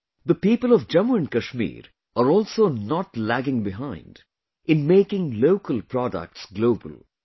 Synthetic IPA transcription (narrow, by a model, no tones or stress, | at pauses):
d̪əpiːpəlɔʋd͡ʒɛmuə̃nkəʃmḭːɾ | əɾɔːlsoːnɔʈlæɡɪ̃ŋbɪɦãɪ̃nɖ | ɪ̃nmeːkɪ̃ŋloːkəlpɾɔɖə̰k̚ʈsɡloːbə̰l